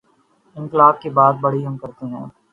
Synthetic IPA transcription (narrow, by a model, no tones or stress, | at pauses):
ɪ̃ŋkɪlaːb̚kebaːd̪̚bɐɽiɦɐmkɐɾt̪eɦɛ̃ː